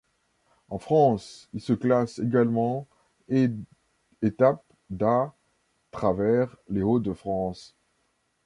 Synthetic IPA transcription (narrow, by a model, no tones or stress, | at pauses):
ɑ̃fχɑ̃silsəklaseɡalmɑ̃ | et̪ap̚ | d̪a | t̪χavɛʁleod̪əfχɑ̃s